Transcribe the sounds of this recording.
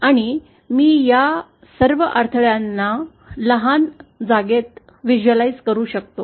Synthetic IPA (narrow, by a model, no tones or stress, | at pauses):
aɽ̃i | miːja | səɾʋəʔaɾt̪ʰəɭjanːa | ləɦand͡zaɡet̪̚ | ʋid͡ʑuəlaid͡zkəɾuːɕəkt̪o